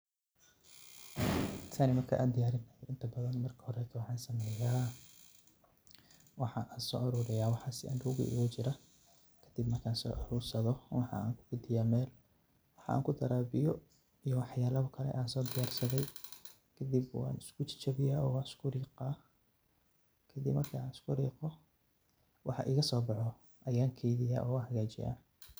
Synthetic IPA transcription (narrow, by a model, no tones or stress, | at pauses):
sʰaːnɪmɐrkʰɐ̰ʔaːd̪ɪjaːɾɪnɐjɾɪnt̪ʰɐbɐðɐnmɐrkʰɐ̥hɔɾɛt̪ʰɔwɑħɑːnsɐmɛːjaː | wɑħɑʔaːnsɔːʔɐɾʊɾɪjaːwɑħɑːsɪʔɐ̰nd̪ʊʊɣʊ̰ʔḭɣʊt͡ʃɪɾɐ | kʰɐ̥d̪̥ɪbmɐrkʰaːnsɔ̰ːʔɐɾuːrsɐðɔwɑħɑ̰a̰ːŋkʰʊ̥ɡʊd̪ɪjaːmɛːl | wɑħɑ̰a̰ːŋkʰʊd̪ɐɾaːbɪjɔ | ijɔwɑħjaːlɐkʰɐlɛ̰ʔaːnsɔːd̪ɪjaːrsɐðɛj | kʰɐd̪ibwɑ̰ːnɪskʰʊt͡ʃʰɪ̥t͡ʃɐβɪjaːɔːwɑɪskʰʊɾiːqaː | kʰɐd̪ḭbmɐrkʰaːnɪskʰʊrḭːqɔ | wʔɑħɑ̰ʔiːɣɐsɔːbɑħɔ | ʔɐjaːŋkʰɛjðɪja̰ːʔɔ̰ːʊɦɐɣaːt͡ʃɪ̰ja̰ː